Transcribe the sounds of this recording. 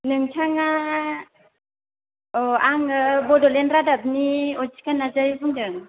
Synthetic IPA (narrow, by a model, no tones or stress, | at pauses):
nɯŋtʰaŋa | ɔaŋɯbɔdɔlɛnɾadap̚niɔt͡ʃi̥kanazajbɯŋdɯŋ